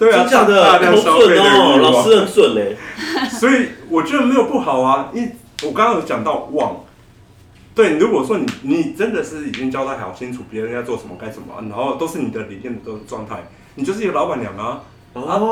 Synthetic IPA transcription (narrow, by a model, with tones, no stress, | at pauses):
t̪we˥˩ɪ˧˥˩ə˨a˥˧˥pjɑ˥˧˩sa˥ə˥˨e˥˧e˥˩˥l̩˨˩˥ə˥˧nswə˥˩ne˧˦swɔ˧˥i˨˩wɔ˨˩t͡ɕɥɛ˧˥d̪ə˨˧me˧˥ɪjo˨˩ʊpu˥˩xɑ˨˩ʊɐ˦i˥˩ | wɔ˨˩kɑ˥ŋkʰŋ˧˥t͡ɕjɑ˨˩ŋt̪ɑ˥˧ʊwɑ˥˩ŋ | t̪we˥˩ɪ˨lu˧˥kwɔ˨˩ʂwɔ˦˥ni˨˩ni˨˩˨ʈ͡ʂə˦˥nd̪ə˨ʂɻ̩˥˩i˨˩t͡ɕi˦˥ŋt͡ɕjɑ˥ʊt̪a˥˩jɑ̰˨˩ʊɕi˥˦nʈ͡ʂʰu˨˩pja˥˧t͡swɔ˥˩ʂə˧˦nmə˨ka˥ɪʂə˨˩nmə̰˩na˧˥nxo˥˧ʊt̪o˥ʊʂɻ̩˥˩ni˨˩d̪ə˦li˨˩mjɛ˥˩nd̪ə˩t̪ə˧˩ʈ͡ʂwɑ˥˧ŋt̪ʰa̰˥˩ɪ | ni˨t͡ɕjo˥˧ʂ̩ɻ̩˥˧˥ɡə˨lɑ˧˥ʊpa˨˩nljɑ˨˩ŋɐ˦˥